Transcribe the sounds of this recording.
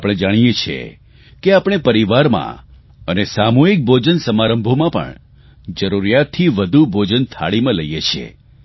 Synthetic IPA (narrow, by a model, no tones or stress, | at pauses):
pəɽ̃ẽd͡ʒaɽ̃ijet͡ʃʰḛ | keapɽ̃epəɾiʋaɾmã̰ | ənesamoik̚bʱod͡ʒənsəmaɾəmbʱomãpə̰ɳ | d͡ʒəɾuɾjat̪ʰːiʋəd̪ʱubʱod͡ʒənt̪ʰa̰ɭimãləijet͡ʃʰḛ